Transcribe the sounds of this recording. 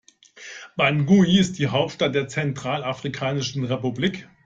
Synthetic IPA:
b̥anɡuiɪst̚d̥iːɦaʊp̚tʃtat̚d̥eːɐt͡sɛntʁ̥aːlafʁ̥ikʰaːnɪʃn̩ʁepubliːk

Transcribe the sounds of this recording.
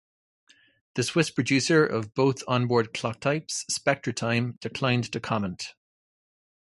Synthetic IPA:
ðəswɪspʰɹ̥əd͡ʒʉsə˞ʔə̰vboʊθə̃nbɔːɹd̚kʰl̥ɑk̚tʰaɪpsːpɛk̚tɹ̥ətʰãɪ̃md̥ɪkʰl̥ãɪ̃ntʰəkʰɑmə̃nʔ

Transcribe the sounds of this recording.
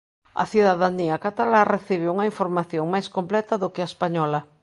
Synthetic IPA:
a̰θjuðaðaniakat̪alareθiβ̞ɪuŋaiɱfoɾmaθjoŋmajskõmplɛt̪aðokeaespaɲɔla

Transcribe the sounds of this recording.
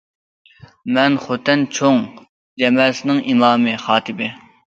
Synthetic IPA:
mɛnχot̪ʰːɛnt͡ʃʰoŋ | d͡ʒɛmɛlsɪnɪŋimɑːmɨχɑːt̪ʰɪbɪ

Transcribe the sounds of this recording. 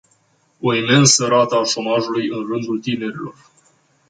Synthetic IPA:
o̞ime̞nsəɾat̪əaʃo̞maʒulujɨnrɨnd̪ult̪ine̞ɾilo̞r

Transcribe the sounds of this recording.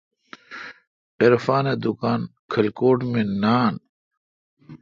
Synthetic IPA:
eɾfaːned̪ukaːnkʰɐlkoːʈmenaːn

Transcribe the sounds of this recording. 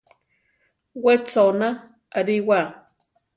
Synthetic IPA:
wet͡sona | aɾiwa

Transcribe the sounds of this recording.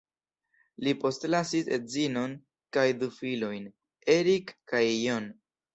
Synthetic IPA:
lipo̞stlasisḛtzino̞n | kajdufilo̞jn | e̞ɾikːajːon

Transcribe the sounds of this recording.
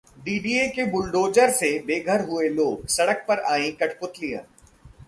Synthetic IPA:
ɖiːɖiekebʊlɖoːd͡ʒəɾsebeːɡʱəɾɦʊeloːɡsɐɽək̚pɐɾaːĩkɐʈʰpʊt̪lijã̰ː

